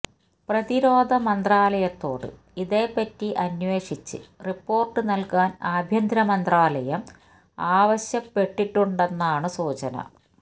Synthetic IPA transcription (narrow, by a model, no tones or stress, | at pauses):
prɐðiɾo̞ːd̪ʱɐmɐnd̪raːlɐjɐt̪ːo̞ːɽɨ̰ | iðe̞ːpːɐtːiʔɐnwe̞ːʂit͡ɕːɨ̰ripːo̞ːrʈːɨnɐlkaːnaːbʱjɐnd̪ɾɐmɐnd̪raːlɐjɐm | aːʋɐɕjɐpːe̞ʈːiʈːuɳɖe̞nːaːɳɨsuːt͡ɕɐnɐ̰